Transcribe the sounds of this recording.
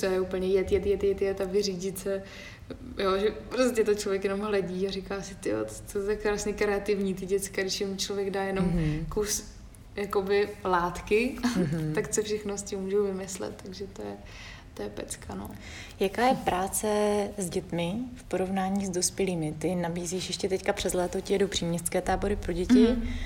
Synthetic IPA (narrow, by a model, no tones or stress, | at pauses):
t͡sojɛupl̩ɲɛjɛt̪jɛt̪jɛt̪jɛt̪jɛt̪avɪriːɟɪt͡sɛ | joʒɛpɾoscɛt̪ot͡ʃlo̞vjɛkjɛno̞mɦlɛɟiːaɾɪkaːsɪt̪ɪjo̰t̪ot̪akɾaːsɲɛkɾɛat̪ɪvɲiːt̪ɪɟɛt͡skaɡdɪʃjɪmut͡ʃlovjɛɡdaːjɛno̞mkos | jako̞bɪlaːt̪kɪt̪akt͡sofʃɛxnoscɪmːuːʒowvɪmɪslɛ̰t̪ːaɡʒɛt̪ojɛ | t̪ojɛpɛt͡skano̰ | jakaːjɛpɾʔaːt͡sɛzɟɛt̪mɪfpo̞ɾo̞vnaːɲiːzdospjɛliːmɪt̪ɪnabiːziːʃjɛʃcɛt̪ɛckapr̝̥ɛzlɛːt̪ocɪjɛdowpr̥iːmɲɛst̪t͡skɛːt̪aːbo̞ɾɪpɾo̞ɟɛcɪ